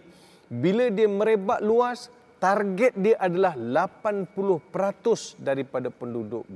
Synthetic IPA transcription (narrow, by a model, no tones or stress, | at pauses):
bilədiəmə̃ɾebaʔ̪luas | t̪arɡɛt̪̚diəʔadalahlapanpulʊhpəɾat̪ʊsdaɾipadapəndudʊ̰ʔ̚